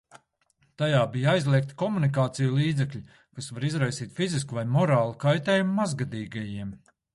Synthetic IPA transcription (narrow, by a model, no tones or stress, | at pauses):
t̪ajaːbijajzlˠʲiɛk̚t̪i̥kɔmunik̬aːt̪sijulˠiːd̪zɛkʎʲi | kasvaɾizɾajsiːt̪ʲfiziskuvajmɔɾaːlˠukajt̪ɛːjumumazɡad̪iːɡajiɛm